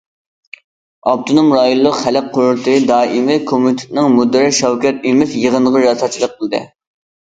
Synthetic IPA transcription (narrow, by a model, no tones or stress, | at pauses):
ɑp̚t̪ʰonomɾɑːjolˠːʊqχælɪqqʰːoɾʊɾt̪ʰɨd̪ɑːʔimɪkʰomut̪ʰɪ̥t̪nɪŋmud̪ːɪɾɪʃɑwkʲɛt̪̚imɪfjəʁənəʁɑɾɑsɑt͡ʃʰilˠəq̚qʰːəlˠɨd̪ɨ̰